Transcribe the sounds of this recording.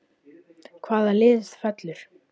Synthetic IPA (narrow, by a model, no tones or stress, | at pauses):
kʰvaːðalɪːðsðfœt̪lʏɾ̥